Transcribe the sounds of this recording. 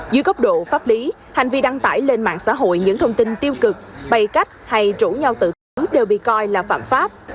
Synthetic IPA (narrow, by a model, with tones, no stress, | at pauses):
zɨ˧˦jɣə˦˥wk͡p̚ɗo̰˧˨faː˦˥p̚li˨˦ | ha˨˩ŋ̟vi˧ɗa˧ŋt̪a̰ː˧˩jle˧nma̰ː˧˨ŋsa̰ː˧˥ɦo̰˧˨jɲɨ̰˧˥ŋt̪ʰə˧wŋ͡mt̪i˧nt̪i˧əwkɨ˨˩k̚ɓə˨˩jka˦˥jk̟̚ha˧jt͡ɕu˧˩ɲa˧wt̪ɨ̰˧˨t̪ɨ˨˦ɗe˨˩wɓḭ˧˨kɔ˧jlaː˨˩fa̰ː˧˩mfaː˦˥p̚